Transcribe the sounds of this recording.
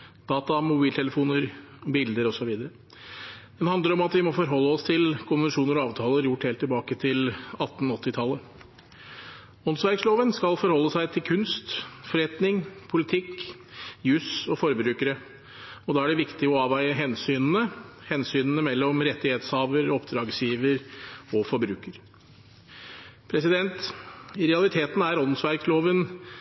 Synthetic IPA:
d̪̥ɑːt̪ɑmʊbiːlt̪ʰɛləfuːnəɾ | bɪld̪əɾɔsɔʋiːd̪əɾə | d̪̥ɛnhɑnd̪əɾɔmɑt̪ʋɪmɔfɔɾɦɔlːəɔst̪ʰɪlkʰʊnʋɛnʂuːnəɾɔɑːʋt̪ʰɑːləɾjʊʈːheːlt̪ːɪlbɑːkət̪ʰɪlɑt̪ːn̩ɔt̪ːɪt̪ʰɑlːə | ɔnsʋæɾksloːʋənskɑlfɔɾhɔlːəsæɪt̪ʰɪlkʰʉnst̪fɔɾɛt̪nɪŋpʰʊlɪt̪ʰɪkː | jʉsɔfɔɾbɾʉːkəɾə | ɔd̪ɑːæɖɛʋɪkt̪ɪɔɑːʋæɪəɦɛnsyːnn̩əhɛnsyːnnəmɛlːɔmɾɛt̪ːɪheːt̪shɑːʋəɾɔpd̪ɾɑːɡsjiːʋəɾɔfɔɾbɾʉːkəɾ | pʰɾɛsɪd̪ɛnt̪ɪɾɛɑlɪt̪ʰeːt̪n̩æɾɔnnsʋæɾksloːʋən

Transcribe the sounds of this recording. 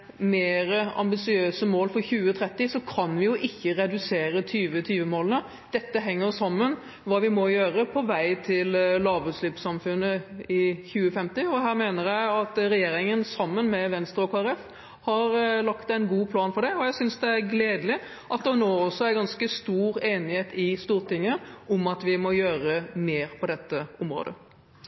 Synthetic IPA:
meːɾəɑ̰mbɪsɪøːsəmoːlfɔɾçʉːət̪ʰɾɛt̪ːɪsɔkʰɑnʋɪjʊʔɪçːəɾɛd̪ʉseːɾət̪ʰyːʋət̪ʰyːʋəmoːlnə | d̪̥ɛt̪ːəɦɛŋːəɾsɑmːən | ʋɑːʋɪmɔjøːɾəpʰɔʋæɪt̪ʰɪllɑːbɾʉslɪpsɑmfʉnːəɪçʉːəfɛmt̪ɪɔɦæːɾmeːnəɾjæɪɑt̪ɾɛjeːɾɪŋənsɑmːənmɛʋɛnst̪ɾəɔkʰoːɛɾɛf | hɑɾlɑkt̪æɪnɡuːpʰlɑːnfɔɖ̪ɛɔjæɪsʏnsd̪ɛæɾɡleːd̪əlɪ | ʔɑt̪̚d̪ɛnoːɔsːɔæɾɡɑnskəst̪uːɾeːnɪheːt̪ɪst̪uːɾt̪ɪŋːəɔmɑt̪ʋɪmɔjøːɾəmeːɾpʰɔd̪ɛt̪ːəʊmɾo̰ːd̪ə̰

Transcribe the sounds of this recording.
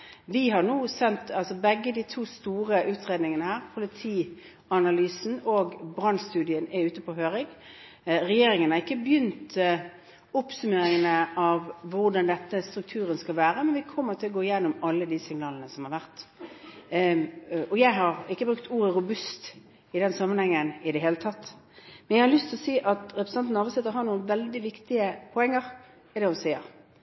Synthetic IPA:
ʋɪɦɑʁnuːsɛnt̪ɑlsɔbɛɡːəd̪iːt̪ʰuːst̪uːʁəʔʉːt̪ʁeːd̪nɪŋənəhæːʁpʰʊlɪt̪ʰiː | ɑnɑlyːsn̩oːɡbʁɑnst̪ʉːd̪ɪənæʉːt̪əpɔːɦøːʁɪŋ | ʁɛjeːɾɪŋənɑʁɪkːəbjʏnt̪ | ɔpsʉmeːɾɪŋənəʔɑʋːʊʁd̪ɑnd̪ɛt̪ːəst̪ɾʉk̚t̪ʰʉːʁənskɑlʋæːɾəmɛnʋɪkʰɔmːəʁt̪ʰɪlːɔɡoːɪjɛnːʊmɑlːəd̪isɪŋnɑːlənəsɔmhɑɾʋæʁt̪ | ɔjæɪɦɑɾɪkːəbɾʉk̚t̪uːɾəɾʊbʉst̪ | ɪd̪ɛnsɑmːənhɛŋːənɪd̪ɛɦeːlət̪ʰɑt̪ː | mɛnjæɪhɑɾlʏst̪ʰɪlɔsiːʔɑt̪ɾɛpɾəsɑnt̪n̩ɑɾʋəsɪt̪ːəɾɦɑɳuːənʋɛld̪ɪʋɪkt̪ɪəpʰɔɛŋːəɾ | ɪd̪ɛʊsiːəɾ

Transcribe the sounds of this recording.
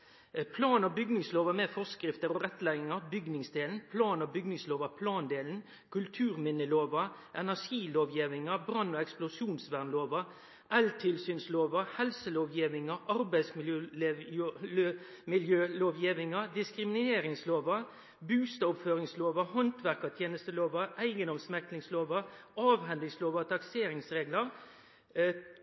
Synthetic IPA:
pʰlɑːnɔbʏɡnɪŋsloːʋɑmɛfɔskɾɪft̪əɾɔʁɛt̪ːlæɪɡɪŋɑbʏɡnɪŋsd̪eːln̩pʰlɑːnɔbʏɡnɪŋsloːʋɑpʰlɑːnd̪eːln̩ | kʰʉlt̪ʰʉːɾmɪnəloːʋɑ | ʔɛnæʂiːloːʋjiːʋɪŋɑbɾɑnːɔɛksplʊsjuːnsʋæʁnloːʋɑ | ʔɛlt̪ʰɪlsyːnsloːʋɑhɛlsəloːʋjiːʋɪŋɑʔɑɾbæɪsmɪjø | ø | mɪljøːloːʋjiːʋɪŋɑd̪ɪskɾɪmɪneːɾɪŋsloːʋɑɾ | bʉːst̪ɑʊpføːʁɪŋsloːʋɑhɔnt̪ʰʋæʁkɑt̪ʰjeːnəst̪əloːʋɑæɪɡənɔmsmɛk̪lɪŋsloːʋɑɾɑːʋɦɛnd̪ɪŋsloːʋɑt̪ʰɑkseːɾɪŋsʁeːɡləʁ

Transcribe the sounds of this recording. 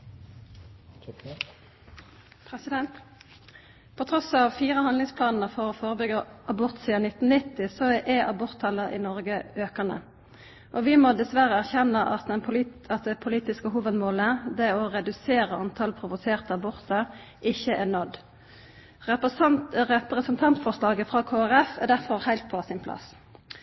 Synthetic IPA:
pʰɛsɪd̪ɛnt̪ | pʰɔt̪ʰʁɔsɑːʋfiːʁəhɑnlɪŋspʰlɑːnn̩əfɔʁɔːfoːʁəbʏɡəʔɑbɔʁt̪siːɑnɪt̪ːn̩nɪt̪ːɪsɔʔɛʔɑbɔʁt̪hɑlːəɪ̰nɔʁɡəøːkənə̰ | ʔɔʋɪmɔd̪ɛsʋæʁəæʁçɛnːəʔɑt̪̚d̪ɛnʰʊɑt̪̚d̪ɛpʰʊliːt̪ɪskəɦuːʋəd̪moːləd̪ɛɔʁɛd̪ʉseːʁəɑnt̪ʰɑlpʰʁʊʋʊseːʁt̪əɑbɔʁt̪əʁ | ʔɪçəʔænɔd̪ | ʁɛpəʁɛpʁəsənt̪ʰɑnt̪fɔʁʂlɑːɡəfʁɑːkʰoːæʁɛfæd̪æʁfɔʁhæɪlt̪̚pʰɔsɪnpʰlɑ̰s

